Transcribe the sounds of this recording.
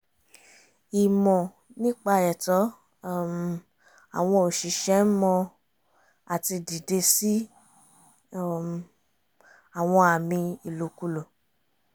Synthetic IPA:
i˨mɔ̃˨ | nĩ˦k͡pa˧ɛ˨tɔ˨˦˨ | m˨ | a˨w̃ɔ̃˧o˨ʃi˨ʃɛ˨˦mɔ̃˧ | a˨ti˧di˨de˧si˦˨ | a˨w̃ɔ̃˧a˨mĩ˧i˨lo˨˦ku˧lo˨

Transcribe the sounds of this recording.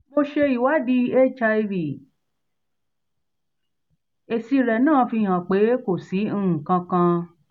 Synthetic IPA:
mo˧ʃe˧i˨wa˨˦di˧e˦˨t͡ʃa˧i˧ɾi˨ | e˨si˧ɾɛ˨nãː˦˨˧fi˧˨hã˨k͡pe˨˦ko˨sĩ˨˦˨kã˧kã˧

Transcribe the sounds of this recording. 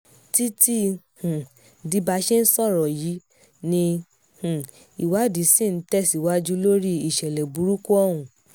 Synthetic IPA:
ti˦ti˦ | hũ˨ | di˧˦ba˧ʃe˦n̩˦sɔ˦˨ɾɔ˨ji˨˦ | nĩ˧ | hũ˨ | i˨wa˨˦di˨˦si˦˨n̩˦tɛ˦˨si˨wa˦d͡ʒu˦lo˦ɾi˦i˦˨ʃɛ˨lɛ˨bu˨˦ɾu˦ku˦ɔ˦˨wũ˨

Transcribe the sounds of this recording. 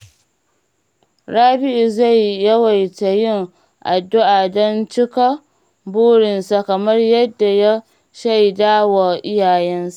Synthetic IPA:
ɽaː˦bɪ˦ʔi˨za˦˨jːɐ˦wa˨jta˨jɪ˦ŋ | ʔa˨dːʊ˦ʔa˨dɔ˦nt͡ʃɪ˦ka˦ | buː˦ɽɪ˨nsa˨kɐ˨mɐ˦rjɐ˦dːa˨ja˦ | ʃa˦˨jdaː˦wa˨ʔɪ˦jaː˨jɛ˦nsḁ˦˨ʔ

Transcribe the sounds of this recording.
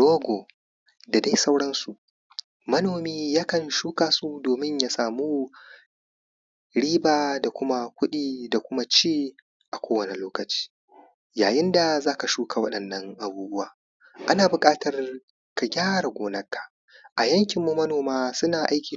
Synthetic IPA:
doː˦ɡʷo˨ | da˨da˦jsa˦wɽɐ˦nsu˨ʔ | mɐ˦noː˨miː˦jaː˦kɐ˨nʃuː˦kaː˨su˦doː˨mɪ˦ɲjaː˨saː˨muː˦ | ɽiː˦baː˨da˨kʷʊ˦ma˦kʷʊ˦ɗiː˨da˨kʷʊ˦ma˦t͡ʃeː˦ | ʔa˨kʷoː˦wɐ˨ni˨loː˦kɐ˨t͡ʃi̥ː˦ | jaː˨jɪ˦nda˨zaː˦ka˨ʃuː˦ka˨wɐ˦ɗɐ˨nːɐ˦ŋʔa˨buː˦bʊ˦waː˨ | ʔa˦naː˨bʊ˨kʼaː˦tɐ˨r | ka˨ɡʲaː˦ɽa˨ɡʷoː˨nɐ˦kːḁ˨ | ʔa˨jɐ˦ŋkʲɪ˨mːu˨mɐ˦noː˨maː˦sʊ˦naː˨ʔa˦jkʲiː˨

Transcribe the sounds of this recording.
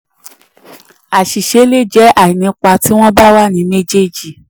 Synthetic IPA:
a˨ʃi˨ʃe˧˦le˦˨d͡ʒɛ˨˦a˦˨i˨nĩ˧k͡pa˧ti˨˦w̃ɔ̃˦ba˦wa˦˨nĩ˨˧mẽ˦d͡ʒe˦˨d͡ʒi˨

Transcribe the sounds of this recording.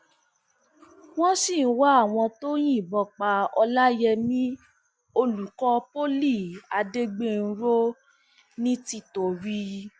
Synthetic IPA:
w̃ɔ̃˦sĩ˦˨˦wa˦a˦˨w̃ɔ̃˧to˦j̃ĩ˦˨bɔ˧˨k͡pa˧ɔ˧la˦jɛ˧mĩ˦ | o˧lu˨kɔ˧po˦li˦˨a˨˧de˦ɡ͡be˦n̩˦ɾo˦ | nĩ˦ti˦to˨ɾi˦

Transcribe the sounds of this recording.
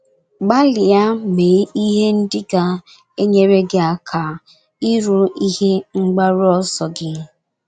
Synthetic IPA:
ɡ͡ba˦lɪ˨ja˦me˨˦i˦ɦe˦n̩˦dɪ˦ɡa˨ | e˦ɲe˦ɾe˦ɡɪ˦a˨kʰa˨ | i˦ɾu˨i˦he˦ŋ͡m̩˦ɡ͡ba˦ɾʊ˦ɔ˦sɔ˨ɡɪ˦

